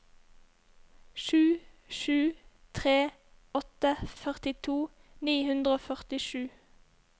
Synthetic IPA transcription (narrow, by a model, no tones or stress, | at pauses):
ʃʉːʃʉːt̪ʰʁeː | ɔt̪əfœʁt̪ɪt̪ʰuː | niːhʉnd̪ʁəoːfœʁt̪ɪʃʉː